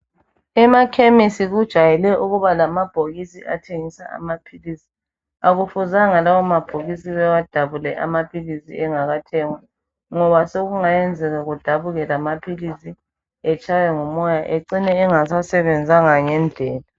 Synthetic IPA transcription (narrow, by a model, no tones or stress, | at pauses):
ɛmakʰemisiɣud̥ʒ̥ʱajɛlɛʔuɣuβalamab̥ʱoɣisiʔa̰tʰeŋisaa̰mapʰilisi̥ | aɣufuzaŋalawɔmab̥ʱoɣisiβɛwad̥ʱaβulɛʔa̰mapʰilisḭɛŋaɣatʰɛŋwa | ŋɔβasoɣuŋajɛnd͡zʱɛɣaɣud̥ʱaβuɣɛlamapʰilisi | ɛt͡ʃʼajɛŋɔmɔjaʔeǀinɛːŋasasɛβɛnd͡zʱaŋaŋɛnd͡ɮʱɛːla